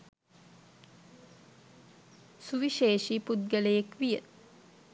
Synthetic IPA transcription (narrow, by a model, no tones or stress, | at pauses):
suʋiʃeːʃipud̪̚ɡələjekʋijə